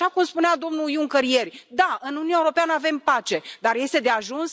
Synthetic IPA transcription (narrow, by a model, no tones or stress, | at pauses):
ʃakumspunead̪o̞mnujuŋkəɾje̞rʲd̪aɨnuniunaeuɾo̞peanəave̞mpat͡ʃe̞d̪arje̞st̪ed̪eaʒuns